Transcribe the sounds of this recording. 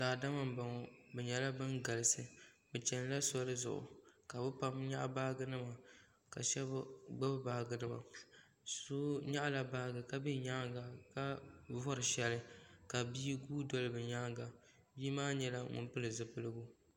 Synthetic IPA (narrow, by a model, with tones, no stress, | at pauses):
zaː˨da˦ma˦mba˨ŋɔ˨bɛ˨ɲɛ˨la˦bɨ˦nɡa˨lɨ˨sɨ˦bɛ˨t͡ʃɛ˨n˦la˦sɔ˦lɨ˦zʊ̰˨ʔʊ̰˨ka˨bɨ˦pa˦mɲa˦ʔba˦ɡɨ˦nɨ˦ma˨ | ka̰˨ʃɛ˦bɡ͡ba˦bɨ˦baː˨ɡɨ˦nɨ˦ma̰˨ | so˦ɲa˦ʔla˦ba˦ɡɨ˨ka˦bɛ˦ɲaː˦ɡa˨ka˦vɔ˦ɾɨ˨ʃɛ˦lɨ˦ka˨biː˦ɡuː˦dɔ˦lɨ˨bɨ˨ɲaː˦ɡa˨ | biː˦maː˦ɲɛ˨la˦ŋʊ̰˨npɨ˦lɨ˨zɨ˨pɨ˦lɨ˦ɡʊ˦